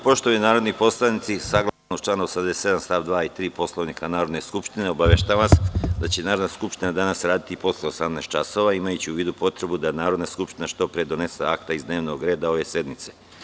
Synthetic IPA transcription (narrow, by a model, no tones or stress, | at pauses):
po̞ʃt̪oninaːɾo̞d̪nipo̞slˠanit̪sisaɡlˠanot͡ʃlaːnoosamd̪esee̞d̪amst̪aʋd̪ʋaːit̪ɾiːpo̞slˠo̞ʋnikʰanaːɾo̞d̪ne̞skupʃt̪ineo̞baʋeʃt̪aaʋasd̪at͡ɕenaːɾo̞d̪naskupʃt̪inad̪anasɾaːd̪it̪ipo̞sleo̞samneːst̪t͡ʃaso̞ʋaimajut͡ɕiuʋiːd̪upo̞t̪ɾe̞bud̪anaːɾo̞d̪naskupʃt̪inaʃt̪o̞pɾed̪o̞ne̞sḛakt̪aizd̪ne̞ːʋno̞ɡɾe̞ːd̪ao̞ʋe̞se̞d̪mit̪se̞